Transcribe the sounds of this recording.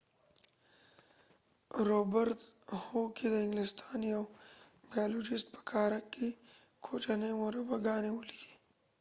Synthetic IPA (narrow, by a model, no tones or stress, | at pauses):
ɾoːbəɾt̪hokid̪əɪ̃ŋɡlɪst̪aːnjɐwbajaːloːd͡ʒɪst̪̚pə̥kaːɾɐkːikʰoːt͡ʃanewoɾɐpɐɡaːnewolid̪i̥